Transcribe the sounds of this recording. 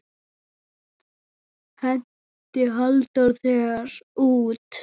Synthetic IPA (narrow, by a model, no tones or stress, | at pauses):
hɛn | t̪ɪɦœlt̪aɾθɛɣɾuːt̪